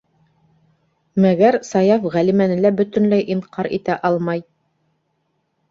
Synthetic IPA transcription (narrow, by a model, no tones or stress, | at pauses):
mæɡæɾsɑjɑfʁælimænɘ̆læbɵ̆t̪ɵ̆nlæjʔiɴqʰɑɾḭt̪æʔɑlˠmɑj